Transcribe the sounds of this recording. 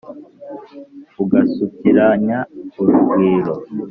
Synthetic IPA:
uɡasukiɾaɲauɾuɡwiːɾo

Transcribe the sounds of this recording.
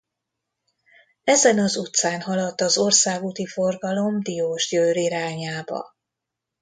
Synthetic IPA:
ɛzɛnɒzut̪saːnɦɒlɒt̪ːɒzo̞rsaːɡut̪ifo̞rɡɒlo̞md̪ioːʒjøːɾiɾaːɲaːbɒ̰

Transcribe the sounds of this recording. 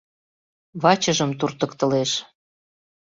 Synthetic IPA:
βɑt͡ɕəʒə̆mt̪urt̪ə̆kt̪əleʃ

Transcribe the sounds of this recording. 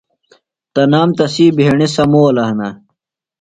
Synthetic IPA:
t̪ɐnaːmt̪ɐsiːbʱeeɳisɐmoːɐlɐɦnɐ

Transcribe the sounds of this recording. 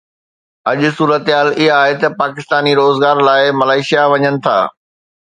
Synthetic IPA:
ɐʄʊsuːɾət̪ɦaːlɪɦaːɦet̪ɐpaːkɪst̪aːniɾoːzɡaːɾlaːɪmɐlaːɪʃijaʋɐɲənɪ̆t̪ʰa̰ː

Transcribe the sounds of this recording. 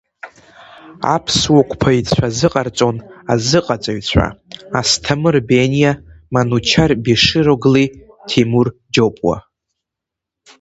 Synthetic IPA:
a̰pʰswakʷʰʼpʰait͡sʷʰazɨqʼart͡sʷʼo̞nazɨqʼat͡sʼaɥt͡sʷʰa̰astʰamɨrbenijamanut͡ʃʰarbiʂɨɾoɡli | tʰimurd͡ʒopʼwa̰

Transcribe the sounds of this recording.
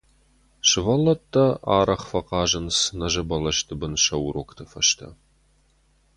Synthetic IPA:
ʃɨvɐlːɐt̪ʰːɐa̰ːɾɐχfɐqɑːʒɐnsɨnɐʒɐbɐlɐʃt̪ʰɨbɨnʃɐwɾoːkt̪ʰɐfɐʃt̪ʰɐ̰

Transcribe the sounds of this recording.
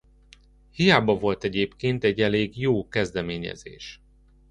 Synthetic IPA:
hijaːbɒvo̞lt̪ɛɟeːpkeːnt̪ɛɟːɛleːɡjoːkɛzd̪ɛmeːɲɛ̰zḛːʃ

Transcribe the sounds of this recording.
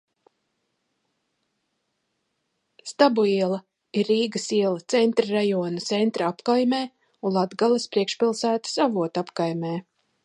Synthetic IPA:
st̪abuiɛlˠɐ | iɾːiːɡəsiɛlˠɐt̪sɛnt̪ɾɾajɔːnat̪sent̪ɾaapkajmeː | unlˠad̪ɡalˠɐspɾiɛkʃpʲilˠsæːt̪ə̥savuɔt̪apkajmeː

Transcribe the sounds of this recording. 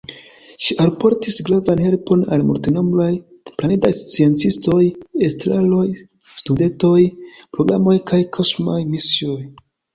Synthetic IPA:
ʃiʔalpo̞ɾtisɡɾavanhe̞lpo̞na̰lmṵltino̞mlaj | planidajst͡sie̞nt͡sisto̞jestɾalo̞jstude̞nto̞jpɾo̞ɡɾa̰mo̞jkʰajkʰosmajmisioj

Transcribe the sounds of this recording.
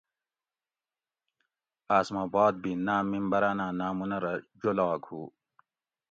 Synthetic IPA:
aːsmaːbaːd̪̚binaːmimbɐɾaːnaːnaːmunɐɾɐd͡ʑolaːkʰuː

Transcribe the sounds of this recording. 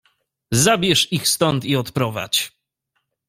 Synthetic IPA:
zabʲjɛʂixst̪ɔnt̪iɔt̪pɾɔva̰t͡ɕ

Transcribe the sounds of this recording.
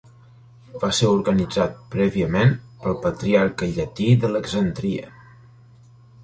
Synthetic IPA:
baseɾuɾɣənid͡zat̪̚pɾɛβiəmen | pəlˠpət̪ɾiarkəʎət̪iðələɡzənt̪ɾiə̰

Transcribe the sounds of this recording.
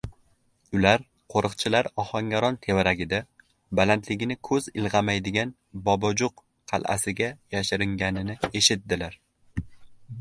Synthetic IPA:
ʊlaɾ | qʰoɾɨqt͡ʃʰɪlaɾɒhɒŋɡʲaɾɒnt̪ʰe̞vaɾaɡʲɪd̪a | balant̪ʰlɪɡʲɪnɪkʰɵzɪlˠʁɑmajd̪ɪɡʲan | bɒbɒd͡ʒʊq | qʰɑ̰lˠa̰sɪɡʲajaʃɪɾɪŋɡʲanɪnɪe̞ʃɪt̪̚d̪ɪlaɾ

